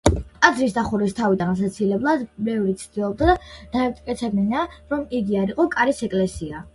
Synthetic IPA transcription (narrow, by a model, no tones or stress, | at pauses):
ad̪zɾisd̪aχuɾist̪ʰavid̪anas̬at̪sʰilɛblˠad̪bɛvɾit̪sʰd̪̥ilˠɔb̚d̪ad̪ad̪̥aɛmt̪ʼkʼɛt̪sʰɛbninaɾɔmiɡiaɾiqʼɔkʼaɾisɛkʼlɛsia